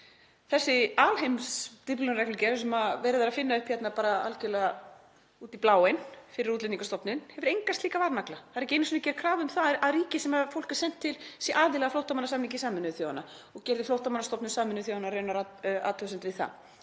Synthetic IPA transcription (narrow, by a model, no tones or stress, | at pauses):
θɛsːɪaːlhejmst̪ɪplʏnɾɛklʏcɛɾs̬ɛmavɛːɾɪðaɾaðfɪnːaʏhpçɛt̪napaːɾaa̰lcɛlɛɣa | uːt̪iplaːwenfɪɾɪɾut̪lɪt̪niŋkast̪ɔpnɪnhɛvʏɾejŋkast̪liːkavaɾnaklaθaðɾɛcːɪejnːs̬inacɛːɾ̥kʰɾaːvʏmθaɾaðriːcɪsɛmaðfowl̥kɛ̥ɾ̥sɛn̥t̪ʰːɪlsjɛʔaːðɪlɛɣaflowht̪amanasaːmiŋcɪsaːmɛnʏvθjoːwanːa | ɔɣcɛɾðɪflowht̪amanast̪ɔpnʏsaːmʏnʏθ̬joːwanaɾrœːɥnaɾaa̰ːt̪ʰœsɛnt̪vɪðθa̰ð